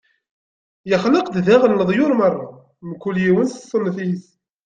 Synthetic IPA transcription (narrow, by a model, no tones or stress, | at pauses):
jəχləqd̪ðæʁənːəðˤjʊɾmərˤːɑ | mkːuljiwənsə̥sˤːənːθiθ